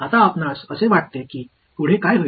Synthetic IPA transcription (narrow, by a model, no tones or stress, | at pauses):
at̪aːpnasəseʋaʈ̚t̪ekiː | t̪uɽ̤ekajɦə